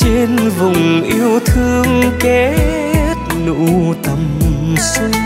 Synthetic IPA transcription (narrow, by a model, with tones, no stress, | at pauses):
t͡ɕe˧nvʊ˨˩ŋ͡mʔi˧əwt̪ʰɨ˧əŋke˨˦ | t̚nṵ˧˥t̪ə˨˩msɨ˧